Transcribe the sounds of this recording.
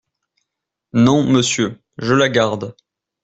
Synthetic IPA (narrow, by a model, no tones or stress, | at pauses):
nɔ̃məsjø | ʒəlaɡaʁd̪